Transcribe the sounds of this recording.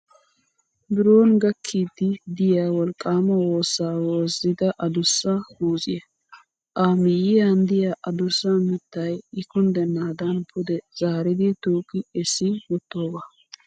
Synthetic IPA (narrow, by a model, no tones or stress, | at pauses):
bɪɾo̞ːnɡɐkʰːid̪ɪd̪ɪjaːwɔlkʼːaːmɐwo̞ːsːaːwoːzɪd̪ɐʔɐd̪ʊsːɐhuːsʼɪjɐ | ʔaːmɪjɪjand̪ɪjaʔɐd̪ʊsːɐmɪt̪ːɐjɪkʊnd̪ɛnːaːd̪ɐnpʰʊd̪ɛz̥aːɾɪd̪ɪt̪uːkʼːɪɛsɪwɔt̪ːoːɡaː